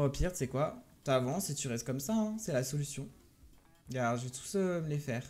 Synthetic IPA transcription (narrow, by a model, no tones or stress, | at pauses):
ʁəpiʁt̪sɛkwat̪avɑ̃set̪yʁɛst̪̚kɔmsaɛ̃sɛlasɔlysjɔ̃ | ɡaɔʁʒəvet̪ʰu̥søməlefɛːʁ